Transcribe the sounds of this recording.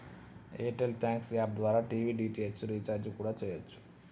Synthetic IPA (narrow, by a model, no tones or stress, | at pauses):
eːʈelt̪ʰaːŋksaːb̚d̪ʋaːɾaːʈiːʋiːɖiːʈiesɾit͡ʃaːɾd͡ʒkuːɽaːt͡ʃɛːjɐt͡ʃːu̥